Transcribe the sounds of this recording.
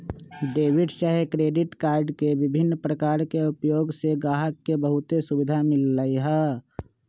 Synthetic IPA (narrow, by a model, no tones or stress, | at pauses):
ɖeːʋɪɖʃəɦkɾeːɖɪʈkaːɾɖkeʋɪbʱɪnːpɾəkaːɾkeʊpjoːɡseɡaːɦəkːebəɦʊt̪esubɪd̪ʱamɪlːəiɦɛ